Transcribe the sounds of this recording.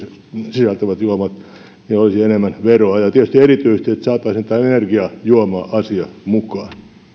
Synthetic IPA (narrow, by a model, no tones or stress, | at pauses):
sisɑlt̪æʋæt̪juomɑt̪ | niolisienemːænʋeroɑjɑt̪iet̪yst̪ierit̪yisest̪iet̪sɑːt̪ːˑɑisent̪ːæenerɡiɑjuomɑːʔɑsiɑmukɑːn